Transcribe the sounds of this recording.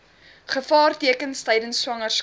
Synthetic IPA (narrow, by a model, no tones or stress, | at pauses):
χəfɑːrtiəkənstəjdənswɐŋərs